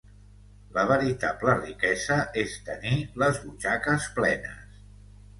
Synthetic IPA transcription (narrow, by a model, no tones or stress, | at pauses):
ləβ̞əɾit̪aplərikɛzəʔest̪əniləzβut͡ʃakəsplɛnə̰s